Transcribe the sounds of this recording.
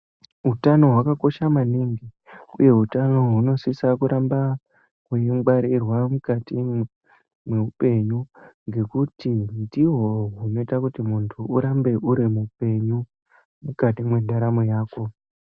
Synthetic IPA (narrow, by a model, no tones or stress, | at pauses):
ɦutano̞ɦwakako̞ʃamaniŋɡi | ṵje̞ɦutano̞ɦuno̞sisakuɾʔamba | kweŋɡ͡baɾirwamukati | mwe̞upe̞ɲuŋɡe̞kutindiɦo̞ɦuno̞itakutimuntʰuuɾambe̞ʔuɾimupe̞ɲu | mukatimwe̞dʱaɾamojaːko̞